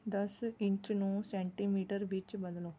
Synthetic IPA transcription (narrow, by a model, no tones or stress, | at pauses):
d̪ɐsɪ̃ɲt͡ʃnũsẽːɳʈimiːʈəɾʋɪt͡ʃbɐd̪loː